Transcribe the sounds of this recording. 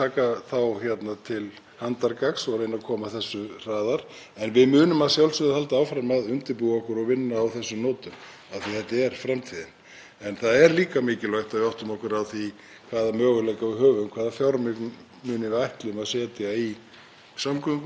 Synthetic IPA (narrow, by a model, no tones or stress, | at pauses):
t̪ʰaːkaθawçjɛt̪nat̪ʰɪl | hant̪aɾkaksɔɣɾejnakʰɔːmaθɛsːʏr̥aːðaɾ̥ | ɛnvɪðmʏːnʏmaðsjawlsɪðhalt̪aaːwfɾamaðʏnt̪ɪɾpuːɣɔhkʏɾɔɣvɪnːaːwθɛsːʏmnɔːt̪ʏm | aðθiθɛht̪ːɪɛɾ̥fɾamt̪ʰiːðɪn | ɛnθaðɛɾliːkamɪːcɪlajht̪aðvɪɔwht̪ʏmɔhkʏɾaθi | kʰvaːðamœːɣʏlɛjkavɪɦœːvʏmkʰvaːðafjɔɾmɪkn | mʏːnɪvajht̪lɪmaðsɛːt̪ɪai | samkʰœk